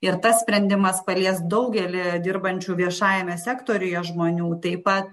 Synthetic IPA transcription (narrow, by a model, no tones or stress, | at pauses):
ɪɾt̪ɐssʲpʲɾʲɛnʲd̪ʲɪmɐspɐlʲiɛsd̪ɐʊɡʲɛlʲɪd̪ʲɪɾbɐnʲt͡ʃʲuːʋʲiɛʃɑːjɛmʲɛsʲæːkt̪oːɾʲʊjɛʒmoːnʲuːt̪ɐɪpɐt̪̚